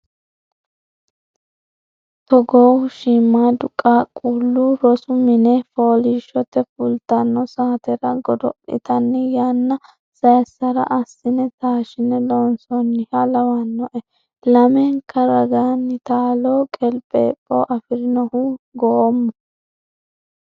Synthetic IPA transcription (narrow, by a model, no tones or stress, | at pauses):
t̪ɔɡɔwʃiːmːaːd̪ʊkʼːaːkʼuːlːuɾɔsʊmɪnɛfoːliʃɔt̪ːɛfʊlt̪ɐnːɔsaːt̪ɛɾɐɡɔd̪ɔpʼːɪ̰t̪ɐnːɪjaːnːɐ | sɐjsːɐɾɐ̰ʔɐsːɪnɛt̪aːʃɪnɛloːnsɔnːɪhɐlɐwɐnːɔʔɛ | lɐmɛŋkʰːɐɾɐɡaːnːɪt̪aːloːkʼɛlpʼːɛ̰ːpʼːo̰ʔɐfɪɾɪnɔhuɡɔmːɔ